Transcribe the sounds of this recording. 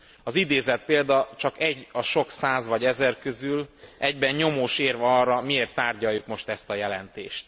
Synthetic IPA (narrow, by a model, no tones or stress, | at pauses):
ɒzid̪eːzɛt̪̚peːld̪ɒt͡ʃɒkɛɟːɒʃo̞ksaːzvɒɟɛzɛrkø̞zylʔɛɟbɛɲɲo̞moːʃeːrvɛɒrːɒmieːrt̪ːaːrɟɒjːukmo̞ʃt̪ɛst̪ɒjɛlɛ̰nt̪ḛːʃt̪